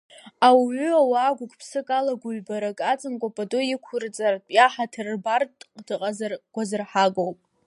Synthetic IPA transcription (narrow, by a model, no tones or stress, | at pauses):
awɥʏawaaːɡʷʊɡʼpʰsɨkʼalaɡʷʊɥbaɾakʼat͡sʼɨmkʷʼapʼatʼʊɪkʷʰʊrt͡sʼartʼjaħatʰɨrbartʼqʼd̥ɨqʼazrɡʷazɨrħaɡʼowpʼ